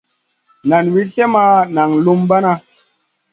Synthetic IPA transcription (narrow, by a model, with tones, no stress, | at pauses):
na˨nwi˦ɬe˦ma˧na˨ŋlu˦mba˦na˧